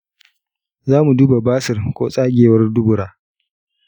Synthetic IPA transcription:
zaː˦mu˨duː˦ba˨baː˦sɪ˨rkʷo̰ː˦sʼaː˦ɡʲeː˨wɐ˦rdʊ˦bʊ˨ɾaː˦

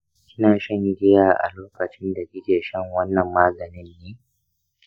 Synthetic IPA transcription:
kʲɪ˦naː˨ʃɐ˦ŋɡʲɪ˦jaː˨ʔa̰˨loː˦kɐ˨t͡ʃɪ˦nda˨ɡʲɪ˦d͡ʒeː˨ʃɛ˦ŋwɐ˦nːɐ˨mːaː˦ɡɐ˨nɪ˦nːeː˦

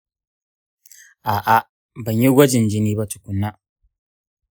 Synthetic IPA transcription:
ʔaː˨ʔa˦ | bɐ˨ɲji˦ɡʷɐ˦d͡ʒɪ˨nd͡ʒɪ˦niː˦ba˦t͡ʃʊ̥˨kʷʊ˨nːa˦

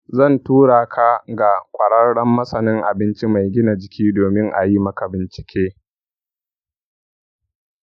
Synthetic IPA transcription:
zɐ˦˨ntuː˦ɽaː˨kʰa˦ɡa˨kʷʼɐ˨ɽɐ˦rɽɐ˦mːɐ˦sɐ˨nɪ˦ŋʔa˨bɪ˦nt͡ʃi˦ma˨jɡʲɪ˦na˨d͡ʒɪ˨kʲiː˦doː˨mɪ˦ŋʔa̰˨ji˦mɐ˦ka˨bɪ˨nt͡ʃɪ̥˦kʲeː˦

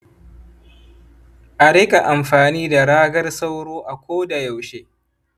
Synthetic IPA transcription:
ʔa˨ɾɪ˦kʼa˨ʔa˨mɸaː˨niː˦da˨ɽaː˦ɡɐ˦rsa˦wɽoː˦ʔa˨kʷoː˦da˨ja˨wʃe˦

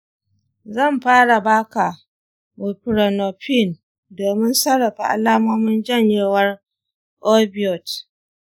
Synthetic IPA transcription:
zɐ˦˨mɸaː˦ɽa˨baː˦ka˨ | mu˨pɾo˨no˨ɸi˦˨n | doː˨mɪ˦nsɐ˦ɽːɐ˨ɸa˨ʔa̰˨laː˦moː˦mɪ˦nd͡ʒɐ˦˨ɲjeː˦˨wɐ˦r | ʔo˦bi˨ɔ˨t

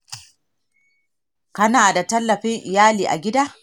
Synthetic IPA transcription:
kɐ˦naː˨da˨tɐ˦lːɐ˨ɸɪ˦ŋʔɪ˨jaː˦liː˨ʔa̰˨ɡʲɪ˦daː˦

